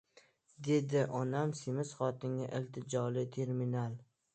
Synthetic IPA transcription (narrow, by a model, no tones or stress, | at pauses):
d̪e̞d̪ɪʔɒnamsɪmɪsχɒt̪ɪŋʲaʔɪlt̪ʰɪd͡ʒɒlɪt̪ʰe̞ɾminalˠ